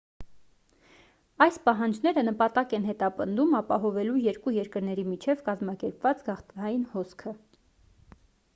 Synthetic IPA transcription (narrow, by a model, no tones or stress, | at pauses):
ɑjspɑɦɑnd͡ʒn̪ɛɾənəpɑt̪ɑkɛnɦɛt̪ɑpənd̪umɑpɑɦɔvɛlujɛɾkujɛɾkəɾnɛɾimit͡ʃʰɛvkɑzmɑkɛɾpvɑt͡sɡɑχt̪ɑjinhɔskʰə